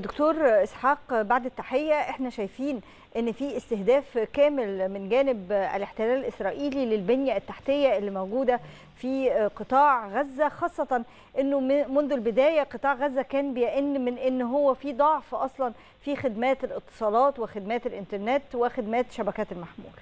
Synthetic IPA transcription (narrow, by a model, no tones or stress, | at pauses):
d̪okt̪oːɾˤʔesħɑːqbaʕd̪æt̪ːaħejːæʔeħnæʃæjfiːn | ʔenːfiːʔest̪ehd̪æːfkæːmelmɪnɡæːnɪbæ̰leħt̪elæːlælʔesɾˤɑːʔiːlilelbenjæʔæt̪ːaħt̪ejːæʔelːimowɡuːd̪æ | fiːqɨt̪ˤɑːʕɣæzːæxɑːsˤːɑt̪ˤɑn | ʔenːomonðolbed̪æːjæqɨt̪ˤɑːʕɣæzːækæːnbejæʔenːmenʔenːɦowːæfiːd̪ˤɑʕfʔɑsˤlɑn | fiːxed̪mæːt̪ælʔɨt̪ˤːɨ̥sˤɑːlɑːt̪wexed̪mæːt̪ælʔɪnt̪ɑɾˤneːt̪wexed̪mæːt̪ʃæbækæːt̪ælmaħmṵːl